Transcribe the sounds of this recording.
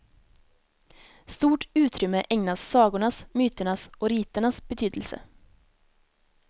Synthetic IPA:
st̪uːʈʉːt̪ʰɾʏməʔɛŋnɑssɑːɡʊɳɑsmyːt̪əɳɑsoːɾiːt̪əɳɑsb̥ət̪ʰyːd̪l̩sə̰

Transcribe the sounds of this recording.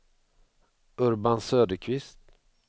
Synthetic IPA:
ɵɾbansøːd̪əkʰvɪst̪

